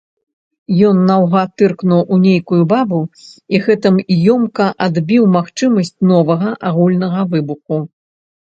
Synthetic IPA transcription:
jɔnːawɣat̪ɨrknuwʔunʲejkujubabuiɣɛt̪ɨmjɔmkɐʔad̪bʲiwmaxt͡ʂɨmɐsʲt͡sʲnɔvɐɣɐʔaɣulʲnɐɣɐvɨbuxu

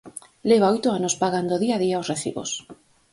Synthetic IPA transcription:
leβaojt̪ʊanospaɣand̪oðiaðiaosreθḭβo̰s

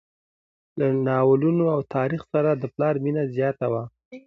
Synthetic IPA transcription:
lanɑwəlunoawt̪ɑɾixsaɾad̪əplɑɾminazjɑt̪awa

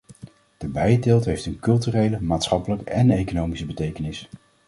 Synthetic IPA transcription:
d̥əbɛjdeːlˠtɦejftənkɵlˠtyrejləmaːtsχɑpələkəɛnejkonowmisəbətejkənɪs

